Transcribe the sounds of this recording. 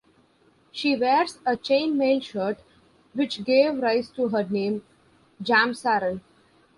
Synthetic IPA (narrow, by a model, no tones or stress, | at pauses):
ʃiːʋeːɾzət͡ʃẽːnmeːlʃəːʈ | ʋɪt͡ʃɡeːʋɾaɪzʈuɦəɾnẽːm | d͡ʒæ̃ːmsæɾəl